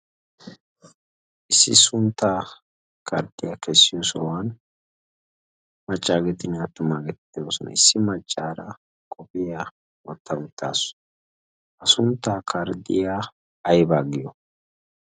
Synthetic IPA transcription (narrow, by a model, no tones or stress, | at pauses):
ʔɪsːɪ̰sʊnt̪ːaː | kʰɐɾd̪ɪjakɛsːɪjɔsɔwan | mɐt͡ʃʼːaːɡet̪ɪnɐt̪ːʊmaːɡɛt̪ːɪoːsɔnʔɐ̰ɪsːɪmɐt͡ʃʼːaːɾɐ | kʼɔpʼɪja | wɔt̪ːɐʊt̪ːa̰ːsʊ̥ | ʔɐsʊnt̪ːaːkʰɐɾd̪ɪjaː | jbaːɡɪjɔ